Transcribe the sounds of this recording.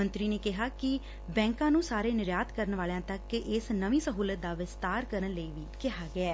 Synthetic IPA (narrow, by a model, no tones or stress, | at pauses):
ənt̪ɾiːneːkɪɦaːkɪ | bɛ̃ːŋkãːnũːsaːɾeːnɪɾjaːt̪kəɾənʋaːljãːt̪əkɪsnəʋĩːsəɦuːlət̪̚d̪aːʋɪst̪aːɾkəɾənləiːʋiːkɪɦaːɡɪɛː